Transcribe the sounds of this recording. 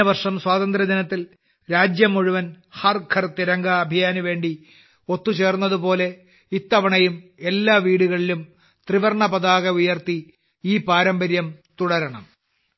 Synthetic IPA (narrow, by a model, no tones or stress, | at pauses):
ɐʋɐrʂɐmswaːt̪ɐnd̪ɾɐd̪inɐt̪ːil | ɾaːd͡ʑjɐmːuɻuʋɐn | hɐrkʰɐrt̪iɾɐŋɡɐːbʱijaːnuʋe̞ːɳɖi | o̞t̪ːut͡ɕe̞ːrunːɐðupo̞ːle̞ | it̪ːɐʋɐɳɐjume̞lːaːʋiːɽuɣɐɭilum | t̪riʋɐrɳɐpɐðaːɣɐujɐrt̪i | iːpaːɾɐmbɐɾjɐmt̪uɽɐɾɐɳɐ̰m